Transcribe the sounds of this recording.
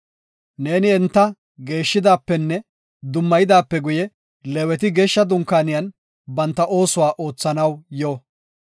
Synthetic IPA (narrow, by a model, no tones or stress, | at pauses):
ne̞ːnɪɛnt̪ːɐ | ɡe̞ːʃːɪd̪aːpːɛnːɛ | d̪ʊmːɐjɪd̪aːpːɛɡʊjɛ | lɛwɛt̪ɪɡeːʃːɐd̪ʊŋkːaːnɪjɐn | bɐnt̪ːɐʔo̞ːsʊwaːʔo̞ːt͡sːɐnɐwjoː